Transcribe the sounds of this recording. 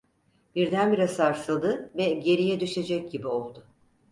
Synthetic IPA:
b̥iɾd̪ænbiɾasaɾsad̪ɯvɛɟe̞ɾijɛd̪yʃe̞d͡ʒɛc̚ɟibio̞lˠd̪ʊ

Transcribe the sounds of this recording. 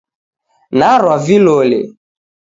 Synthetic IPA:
naɾwavilolḛ

